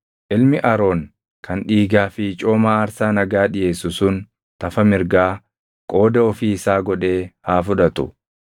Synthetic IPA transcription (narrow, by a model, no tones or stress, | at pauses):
ʔɪlmɪʔɐɾo̞ːŋ | kʰɐnᶑiːɡaːfɪt͡ʃʼo̞ːmaːɐɾsaːnɐɡaːᶑɪje̞ːsʊsʊn | t̪ɐfɐmɪɾɡaː | kʼo̞ːd̪ɐɔfiːɪsaːɡɔᶑe̞ːhaːfʊᶑɐt̪ʊ̰